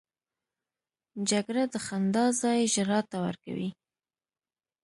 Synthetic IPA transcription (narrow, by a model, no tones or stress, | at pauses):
d͡ʒaɡɾad̪əxand̪ɑzɑjʒɾɑt̪ːawa̰ɾka̰wḭ